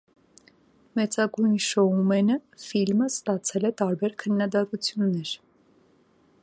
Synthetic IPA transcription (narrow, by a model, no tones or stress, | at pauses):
mɛt͡sɑɡujnʃɔumɛnəfilməst̪ɑt͡sʰɛlɛt̪ɑɾbɛɾkʰənːɑd̪ɑt̪ut͡sʰjunːɛɾ